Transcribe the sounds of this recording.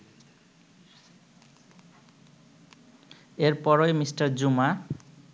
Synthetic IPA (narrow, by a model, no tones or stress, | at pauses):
eɾpɔɾojmisʈʌɾd͡ʑuma